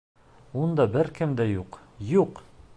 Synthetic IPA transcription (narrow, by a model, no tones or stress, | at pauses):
und̪ɑbɘɾkɘ̆md̪æjuqjuq